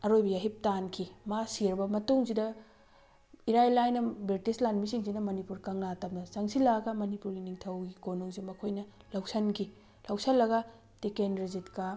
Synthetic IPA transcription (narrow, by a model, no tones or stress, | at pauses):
ɐɾojbɐjaɦip̚tankʰimasiɾbɐmɐtuŋsidɐ | iɾajlajnɐbetislanmisiŋsinɐmɐnipuɾkɐŋnatɐmnɐsɐŋsilaɡɐmɐnipuɾɡiniŋtʰɐwɡikonuŋzimɐkʰojnɐlawsɐnkʰi | lɐwsɐlːɐɡɐ | tekenɾizitka